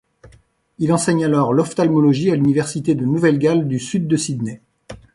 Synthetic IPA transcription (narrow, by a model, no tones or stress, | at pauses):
ilɑ̃sɛɲalɔʁlɔft̪almɔlɔʒialynivɛʁsit̪ed̪ənuvɛlɡʲald̪ysyd̪ːəsid̪nɛ